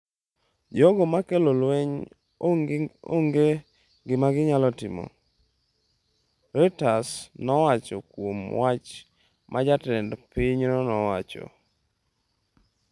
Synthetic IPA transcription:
d͡ʒɔɡɔmakelolweɲ | o̰ŋɡe | ɡɪmaɡɪɲalɔtɪ̰mo̰ | ɾɛtasnɔwat͡ʃɔkwomwat͡ʃ | mʔad͡ʒatɛndpɪɲnɔnɔwat͡ʃɔ̰

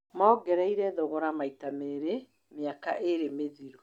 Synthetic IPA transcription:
mɔːɡɛɾaiɾɛðoɣɔɾamaitameɾe | meakaʔeɾemeðiɾu

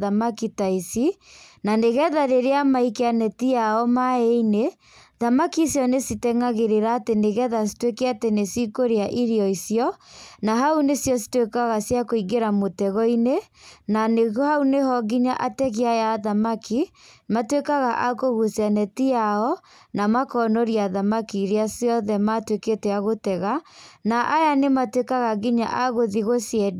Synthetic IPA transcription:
ðamakitaisinaneɣɛðaɾeɾeamaikeanɛtiaɔmaeine | ðamakisjɔnesitɛŋaɣeɾeɾaːteneɣɛðas̬i̥twekɛatenesikoɾeaʔiɾiɔisjɔnaɦaunesjɔsi̥twekaɣasjakoiɡeɾamotɛɣɔinenaneɣhauneɦɔɣiɲaʔatɛɣeajaðamakʰimatwekaɣaʔakoɣusjanɛtiaɔ | namakɔnɔɾiaðamakiɾeasiɔðɛmatweketɛaɣotɛɣanaʔajanematwekaɣaɣiɲa̰ʔaɣoðiɣosjɛd

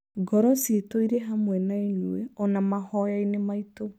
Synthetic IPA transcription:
ɡɔɾɔsetoiɾɛɦamwɛnaeɲueɔnamahɔjainemaito

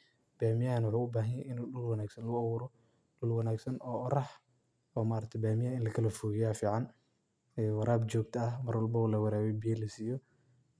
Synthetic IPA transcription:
b̥aːmɪjanwʊħuːʊbaːɦɐjɛɪnuːɗʊlwɐnaːɡsɐnlɐɣʊɐwʊɾɔ | ɖʊlwɐnaːɡsɐnɔːʔɔɾɐħ | ɔːmaːɾɐt̪ʰɛbaːmɪjaːɪnlɐkʰɐlɐfɔɣɪjaːfiːʕɑn | ɛwɑɾaːbt͡ʃɔːɡ̚t̪ʰɐɐɦmɐrwɐlbɐulɐwɐɾaːβɛjbijɐlɐsiːjɔ

